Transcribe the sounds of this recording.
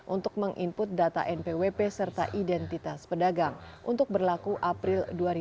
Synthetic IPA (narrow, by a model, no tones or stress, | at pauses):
ʔunt̪ʊk̚məŋʔimpʊt̪̚dat̪a̰ʔɛnpewepesərt̪a̰ʔidɛnt̪it̪aspədaɡaŋʔunt̪ʊk̚bərlakuʔapɾɪlduaɾi